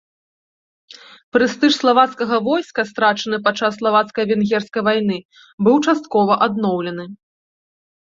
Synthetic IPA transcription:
pɾɨst̪ɨʂslˠavat̪skɐɣɐvɔjskɐst̪ɾat͡ʂɐnɨpat͡ʂːasːlˠavat̪skɐjvʲɛnɣʲɛrskɐjvajnɨ | bɨwt͡ʂast̪kɔvɐʔad̪̚nɔwlʲɛnɨ

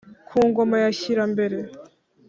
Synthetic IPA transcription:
kʰuːŋɡo̞majaɕiɾambe̞ɾe̞

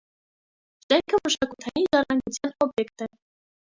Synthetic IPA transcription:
ʒɛŋkʰəməʃɑkut̪ʰɑjinʒɑrɑŋɡut͡sʰjɑnɔbjɛkt̪ɛ

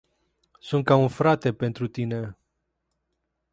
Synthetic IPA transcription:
sunt̪̚kaunfɾat̪e̞pe̞nt̪ɾut̪ine̞

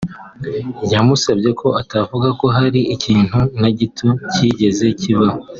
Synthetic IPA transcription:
jamusabɟe̞kʰo̞atavuɡako̞ɦaɾiʔiciːn̥hunaɟitʰuciɟe̞ze̞ciβaho

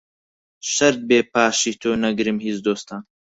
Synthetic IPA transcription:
ʃɐɾd̪̚beːpaːʃit̪ʰoːnɐɡɾimɦizd̪oːst̪ʰaːn

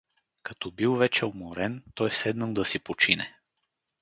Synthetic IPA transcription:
kɐt̪ɔbilˠvɛt͡ʃɛomoɾɛnt̪ɔjsɛd̪nəlˠd̪ɐsipot͡ʃinɛ

